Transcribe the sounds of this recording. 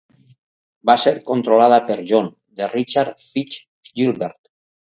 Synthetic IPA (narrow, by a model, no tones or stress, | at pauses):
baseɾkont̪ɾolaðapeɾʒon | d̪erit͡ʃaɾfit͡ʃ | ʒilβeɾt̪